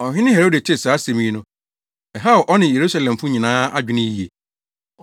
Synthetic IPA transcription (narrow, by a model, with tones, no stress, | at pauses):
ɔ˨hᶣɪ̃˦nɪ̃˦ɦɛ˨ɾo˦de˨tʰɪ˦˨saː˨˦se˨mĩ˦nʊ̃˦ | ɛ˨ɦa˦ʊ˨ʔɔ˦nɪ̃˨je˨ɾu˦sa˨lɛ̃˨m˨fʊ̃˦ɲĩ˨nãː˦a˦d͡ʑᶣɪ˦nɪ̃˦ji˨e˨